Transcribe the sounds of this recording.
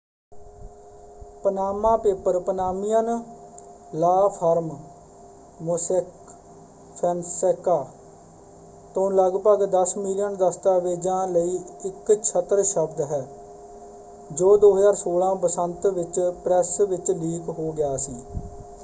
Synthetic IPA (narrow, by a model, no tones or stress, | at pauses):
pənaːmãːpeːpəɾpənaːmɪjən | laːpʰəɾm | mosek | pʰɛnseːkaː | t̪õːləɡpəɡd̪əsmɪlɪjənd̪əst̪aːʋeːd͡ʒãːləiːɪkt͡ʃʰət̪ːɾʃəbd̪ɦɛː | d͡ʒoːd̪oːɦəzaːɾsoːlãːpəsənt̪ʋɪt͡ʃpɾɛːsʋɪt͡ʃliːkɦoːɡɪjaːsiː